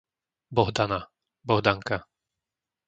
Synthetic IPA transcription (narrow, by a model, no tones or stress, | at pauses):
bɔɦd̪ana | bɔɦd̪aŋka